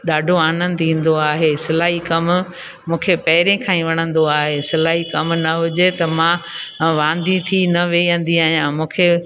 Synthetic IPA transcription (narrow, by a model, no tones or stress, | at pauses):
ɗaːɖʱoaːnə̃nd̪ĩːn̆d̪oaːɦesɪlaːɦikɐm | mũːkʰepɐɦɪɾẽkʰãːĩʋɐɽ̃ə̃nd̪oaːɦesɪlaːɦikɐmnɐɦʊd͡ʑet̪ɐmãʋãːnd̪ĩt̪ʰinɐʋeːə̃n̆d̪iaːɦɪjãmũːkʰe